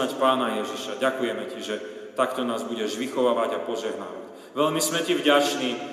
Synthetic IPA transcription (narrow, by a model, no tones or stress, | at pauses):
acpaːnajɛʒiʃaɟakujɛmɛciʒɛt̪akt̪ɔnaːzbuɟɛʒʋixɔʋaːʋaɟapɔʒɛɦna̰ːʋaɟ | ʋɛʎmismɛcivɟat͡ʃniː